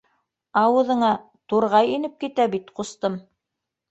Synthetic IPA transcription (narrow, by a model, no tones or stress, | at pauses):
ɑwɤ̆ðɤ̆ɴɑ | t̪uɾʁɑjinɘp̚kit̪æbit̪qust̪ɤm